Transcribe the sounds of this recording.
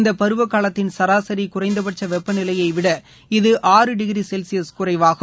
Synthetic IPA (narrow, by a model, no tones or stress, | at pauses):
nd̪ɐpɐɾɯʋɐkːaːlɐt̪ːɪnsɐɾaːsɐɾikʊrɐɪnd̪ɐpɐʈ̚t͡ʃːɐʋɛpːɐnɪlɐjɐɪʋɪɽɐ | ɪðɯʔaːɾɯɖɪɣɪɾisɛlsɪjɐskʊrɐɪʋaːɣɯ